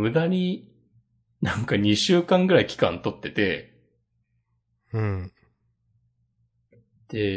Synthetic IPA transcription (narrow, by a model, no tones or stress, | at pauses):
ɯ̟d̪aɲ̟i | nãŋkaɲ̟iɕɨːkãŋɡɯ̟ɾaikʲi̥kã̰nt̪o̞t̪ːe̞t̪e̞ | ɯ̟̃ɴ | d̪̥e